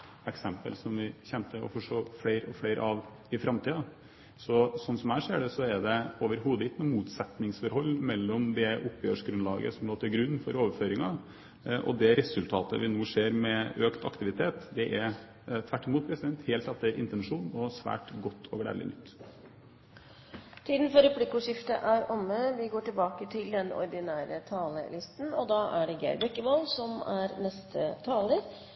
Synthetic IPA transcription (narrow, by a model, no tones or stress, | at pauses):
ɛksɛmpə̰lsɔmʋɪçɛnt̪əɔ̰fɔʂoːfleɪɾɔfleɪɾ̰ʔɑʋ | ɪfɾɑmt̪iːɑ | sɔsɔnsɔmæɪʂeːɖɛsɔɛɖɛoːʋəɾɦuːd̪əɪt̪nʊmuːt̪sɛt̪nɪŋsfɔɾhɔlːmɛlːɔmd̪ɛʔʊpːjøːʂɡɾʉnlɑːɡə̰sɔmloːt̪ʰɪlɡɾʉnːfɔɾoːʋəɾføːɾɪŋɑ | ʔɔ̰d̪ɛɾɛsʉlt̪ʰɑːt̪ə̰ʋɪnuːseːɾmɛøːkt̪ɑ̰kt̪ɪʋɪt̪ʰeːt̪d̪ɛʔæɾ | t̪ʰʋæʈːɪmuːt̪̚pʰɾɛsɪd̪ɛnt̪heːlt̪ɛt̪ːəɾʔɪ̰nt̪ɛnʂuːnɔsʋæ̰ːʈɡɔt̪ːɔːɡɽæ̰ːlɪ̰nʏt̪ː | t̪ʰiːd̪n̩fɔɾɛpʰlɪkʊʂɪft̪ə̰ʔæɾɔmːəʋɪɡoːʈɪlbɑːkət̪ʰɪld̪ɛnɔ̰ɾd̪ɪnæːɾət̪ʰɑːlə̰lɪst̪nɔd̪ɑːʔæɖɛɡæ̰ɪɾbɛkːəʋɑlsɔmæɾnɛst̪ʰət̪ʰɑːləɾ